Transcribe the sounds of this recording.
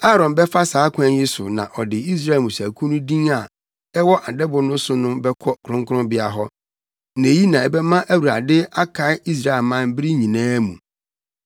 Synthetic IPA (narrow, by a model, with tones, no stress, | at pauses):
a˦ɾɔ̃˨nbɛ˦fa˦saː˨˦kʷʰã˦n˦jɪ˦sʊ̰˨nã˨ʔɔ˨dɪ˨i˦s̬ɾa˦˨e˨mũ˨sæ˨kʰũ˦nũ˦dĩ˦ŋa˨ | ɛ˦wɔ˦ʔa˨dɛ˦bʊ˨nʊ̃˦sʊ˨nʊ̃˦bɛ˦kʰɔ˦kʰɾʊ̃˦ŋkʰʊ˦ʊ̃˦bɪ˦a˨ɦɔ˦ | n˨ji˦nã˨ɛ˨bɛ˦mã˦ʔæ˦wu˨ɾa˨dɪ˦a˦kʰa˨ɪ˦i˦s̬ɾa˦e˨lmã˦m˦bɪ˦ɾi˦ɲĩ˨nãː˦mũ˨